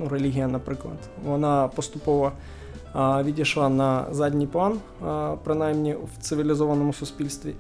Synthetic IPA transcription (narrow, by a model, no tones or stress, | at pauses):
nuɾɛlʲiɦʲɪjɐnɐpɾɪklˠɐ̰t̪ʋɔnapɔst̪ʊpɔʋɐ | ʋʲidʲɪʂlˠanɐzadʲnʲijplˠan | pɾɪnajmnʲɪʋt̪sɨʋʲɪlʲɪzɔvɐnɔmʊsʊspʲilʲst̪ʋʲɪ